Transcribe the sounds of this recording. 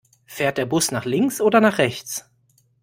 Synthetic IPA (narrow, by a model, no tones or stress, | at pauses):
feːɐt̚d̥eːɐbʊsnaːχlɪŋsʔoːdɐnaːχʁ̥ɛçt͡s